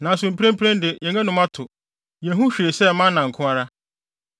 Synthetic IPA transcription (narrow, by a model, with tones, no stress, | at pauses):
nã˨s̬ʊ̃˨m̩˨pʰɾẽ˦m˦pʰɾɛ̃˦n˦dɪ˨jɛ̃˨ŋɛ̃˦nʊ̃˨mã˦tʰʊ˨ | jɛ̃˨ɦũ˦ɕᶣi˨e˨sɛ˦˨mã˦nːã˨ŋ̩˨kʰʊ̃˦a˦ɾa˦